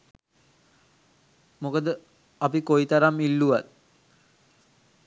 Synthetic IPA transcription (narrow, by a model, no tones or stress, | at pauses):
mokəd̪ə | apikoit̪aɾamilːuʋat̪̚